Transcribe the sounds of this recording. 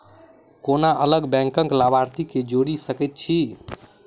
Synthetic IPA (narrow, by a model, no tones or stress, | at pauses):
konaʔələɡbɛ̃ŋkə̃ŋklabʱaɾt̪iked͡ʒoɽisəkɛt̪̚t͡ʃʰi